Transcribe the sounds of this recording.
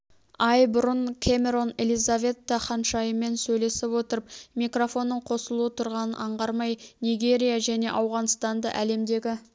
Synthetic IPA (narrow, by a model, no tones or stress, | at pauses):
ɑjbʊɾəɴkʲʰemʲe̞ɾo̞ne̞lijzave̞t̪ːɑχɑnʃɑjəme̞nsɵjle̞sɪpwot̪əɾəp̚mijkro̞fo̞nːəɴqʰo̞səlˠuət̪ʰʊɾʁɑnənʔɑɴʁɑɾmɑjnijɡʲe̞ɾʲijaʒæne̞̰ʔɑwʁɑnst̪ɑnd̪ɑ̰ʔæle̞md̪e̞ɡʲɪ